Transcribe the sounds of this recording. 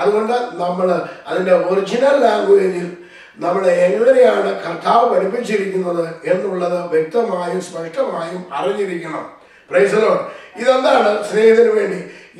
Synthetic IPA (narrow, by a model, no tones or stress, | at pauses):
ɐðuɣo̞ɳɖɨnɐmːɐɭɐ̰ðinde̞orid͡ʑinɐlːaːŋɡuenil | nɐmːuɽeːŋɡɐɭɐɾejaːɳɨkɐrt̪ʰaːʋɐpɐɽipːit͡ɕːiɾik̬ʲːunːɐðɨe̞nːuɭːɐðɨʋjek̚t̪ɐmaːjumspɐʂʈɐmaːjumɐ̰riɲːiɾikʲːɐɳɐm | prɐjsɐloːɽiðend̪aːɳɨsneːhɐt̪ːinɨʋe̞ːɳɖi